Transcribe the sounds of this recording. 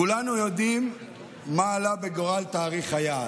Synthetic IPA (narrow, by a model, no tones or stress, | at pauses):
kulanujod̪imː | aːlabeɡoʁalt̪aːʁiχaja